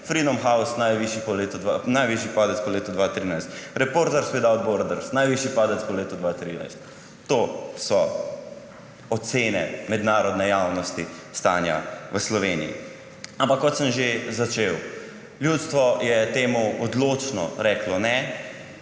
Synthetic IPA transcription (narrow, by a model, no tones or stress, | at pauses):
fɾid̪ɔmxawsnajʋiʃipɔleːt̪ɔd̪ʋanajʋiʃipaːd̪ɛtt͡s̪pɔleːt̪ɔd̪ʋat̪ɾiːnajst̪ɾɛpoɾt̪ɛɾsped̪awd̪̚boɾd̪əɾsnajʋiʃipaːd̪ɛt̪pɔleːt̪ɔd̪ʋat̪ɾina̰jst̪ː | oːsɔ | ɔt̪seːnɛ̰mɛd̪naːɾɔd̪nɛjawnɔst̪ist̪anja̰ʋəslɔʋeːnḭjḭ | ampakːɔt̪səmʒezat͡ʃew | ljuːt̪st̪ʋɔjɛt̪eːmuɔd̪loːt͡ʃnɔ̰ɾɛklɔnɛ